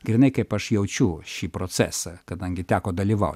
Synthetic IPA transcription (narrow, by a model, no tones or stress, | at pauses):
ɡ̥ɾʲɪnɐɪkɐɪpɐʃjɛʊt͡ʃʲʊːʃʲiːpɾoːt̪sʲæ̰ːsɐkɐd̪ɐŋʲɡʲɪt̪ʲæːkoːd̪ɐlʲiːʋɐ̰ʊt